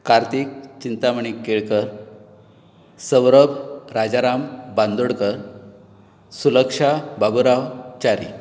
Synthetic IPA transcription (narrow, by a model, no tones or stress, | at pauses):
kaɾt̪ik̚t͡ɕint̪aməɳ̃ikːeɭkəɾ | səʋɾəbʱɾad͡ʑaɾambãnd̪uɽkəɾ | suləkʂabʱaɡuɾawt͡ɕaɾḭ